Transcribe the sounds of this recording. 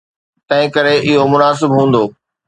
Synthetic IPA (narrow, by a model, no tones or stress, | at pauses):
t̪ɐ̃ɦɪ̃kɐɾeʔɪɦomʊnaːs̬ɪbɦũːnd̪oː